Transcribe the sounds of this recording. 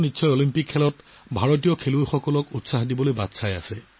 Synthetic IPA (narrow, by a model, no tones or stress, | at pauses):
nitːsɔjolimpikʰːɛlɔt | bʱaɹot̬ijɔkʰelujxɔkɔlɔkutsaɦdibɔlojbatsaja̰sɛ